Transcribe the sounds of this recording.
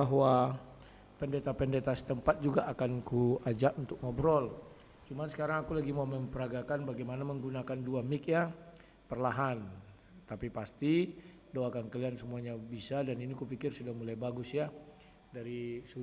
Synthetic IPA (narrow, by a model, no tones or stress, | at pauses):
baɦwa | pəndet̪apəndet̪asə̥t̪əmpat̪̚d͡ʒuɡaʔːkankuad͡ʒaʔunt̪ʊk̚mɔbɾɔl | t͡ʃumansə̥kaɾaŋakulaɡimaməmpəɾaɡakanbaɡajmanaməŋɡunakanduamɪk̚ja | pərlaɦan | t̪apipast̪i | dowakankəliansəmuaɲabisadaninikupikɪrsudaŋmulajbaɡʊsja | daɾisu